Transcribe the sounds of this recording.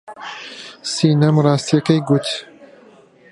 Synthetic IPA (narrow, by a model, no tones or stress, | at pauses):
siːnɐmrɑːst̪ijɛkɐjɡut̪